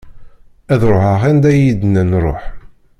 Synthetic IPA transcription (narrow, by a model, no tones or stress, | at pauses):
æðɾˤoħəʁænd̪æjid̪nænɾˤo̰ħ